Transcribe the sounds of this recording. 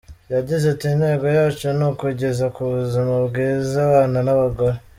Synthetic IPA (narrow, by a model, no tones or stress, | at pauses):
jaɟizetine̞ːɡojaːt͡ʃonukuɟe̞zakuβuzimabɡiːzaβaːnanaβaɡoɾe